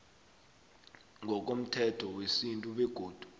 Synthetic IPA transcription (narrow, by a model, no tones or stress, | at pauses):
ŋʱɔk̬om̩tʰɛtʰɔwesintʼuɓɛɡ̥ʱoːd̥ʱu̥